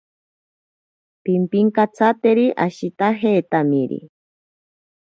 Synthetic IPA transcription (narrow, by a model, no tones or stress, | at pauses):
pimpiŋkat͡sʰat̪eɾiʔaʃit̪aɦeːt̪amiɾḭ